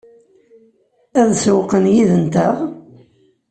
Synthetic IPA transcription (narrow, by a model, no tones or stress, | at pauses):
æðswqənjiðənt̪æʁ